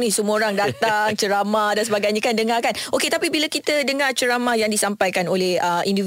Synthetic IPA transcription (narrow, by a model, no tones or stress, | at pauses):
nĩsəmuoɾaŋdat̪aŋt͡ʃəɾamahdansəbaɡajɲakandəŋakanoket̪apibilakit̪ədəŋat͡ʃəɾamahjaŋdisampajkanolɛhəʔindiv